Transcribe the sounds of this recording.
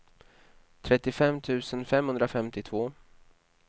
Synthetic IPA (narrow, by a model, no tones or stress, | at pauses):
t̪ʰɾɛt̪ːɪfɛmːt̪ʰʉ̟ːsənfɛmhɵnd̪ɾafɛmt̪ɪt̪ʰvoː